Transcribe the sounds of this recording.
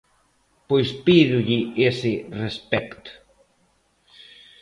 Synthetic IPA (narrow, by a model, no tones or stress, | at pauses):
pojspiðʊʎɪesɪrespɛkt̪ʊ̥